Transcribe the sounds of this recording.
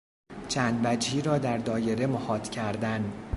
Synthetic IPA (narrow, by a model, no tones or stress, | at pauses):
t͡ʃʰænd̪væd͡ʒhiːɾɒːd̪æɾd̪ɒːje̞ɾe̞mohɒːt̪cʰæɾd̪æn